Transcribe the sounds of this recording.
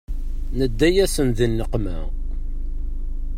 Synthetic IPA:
nəd̪ːæjæsənðinːəqmæ

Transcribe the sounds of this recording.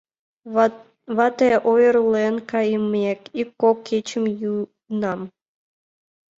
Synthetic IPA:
βɑt̪eʔojəɾulenkɑjəmekikːokʰːet͡ɕəmju | nɑm

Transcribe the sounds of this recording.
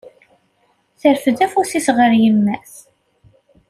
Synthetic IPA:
θəɾfəðæfuθisʁəɾjəmːæθ

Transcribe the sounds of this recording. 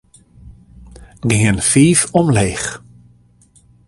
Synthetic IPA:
ɡɪənfiːfɔmleːx

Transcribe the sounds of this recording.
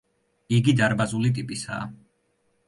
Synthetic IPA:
iɡid̪aɾbazulit̪ʼipʼisa̰ː

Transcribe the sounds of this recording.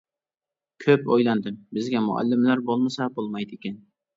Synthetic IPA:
kʲʰøpojlˠɑnd̪ɪmbɪzɡʲɛmʊa̰lːɪmlæɾbolˠmɨsɑbolˠmɑjt̪ɪkʲɛn

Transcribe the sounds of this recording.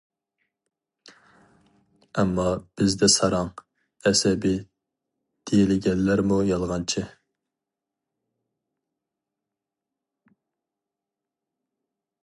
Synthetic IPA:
ɛmːɑb̥ɪzd̪ɛsɑɾɑŋ | ɛsɛbɪ | d̪̥ejilɪɡʲɛnlæɾmujɑlˠʁɑnt͡ʃʰɪ

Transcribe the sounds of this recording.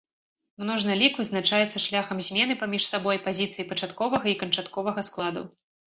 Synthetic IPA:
mnɔʐnɨlʲikvɨznat͡ʂajɛt̪sːɐʂlʲaxɐmzʲmʲɛnɨpamʲiʂsabɔjpazʲit̪sɨjipɐt͡ʂat̪kɔvɐɣɐikɐnt͡ʂat̪kɔvɐɣɐsklˠad̪ṵ

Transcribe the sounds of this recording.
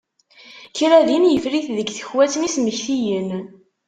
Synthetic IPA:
çɾæðinjəfɾiθðəɡθə̥çwæt͡sənisməçθijən

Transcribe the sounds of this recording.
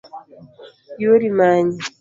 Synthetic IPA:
joɾimaːɲa

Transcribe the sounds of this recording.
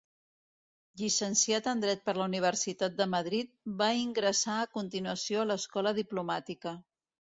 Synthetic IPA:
ʎisənsiat̪ənd̪ɾɛt̪̚pəɾləuniβ̞əɾsit̪at̪̚d̪əməð̞ɾit̪̚baiŋɡɾəsaəkunt̪inuəsioələskɔləð̞iplumat̪ikə

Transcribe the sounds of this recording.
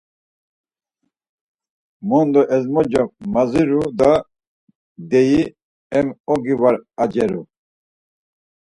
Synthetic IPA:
mɔnd̪ɔʔɛzmɔd͡ʒɔkmaziɾud̪a | d̪ɛji | ɛmɔɡivaɾad͡ʒɛɾṵ

